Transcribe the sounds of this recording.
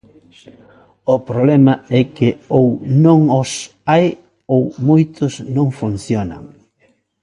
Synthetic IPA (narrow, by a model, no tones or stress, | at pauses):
ʊpɾoβlɛmɐɛkɪownõŋɔs | aj | owmojt̪ʊsnõŋfunθjonɐ̰ŋ